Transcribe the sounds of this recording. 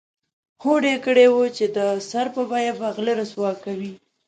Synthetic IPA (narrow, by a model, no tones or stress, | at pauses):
hoɖekəɽewot͡ʃed̪əsaɾpəbɑjabaɣləɾaswɑkːawi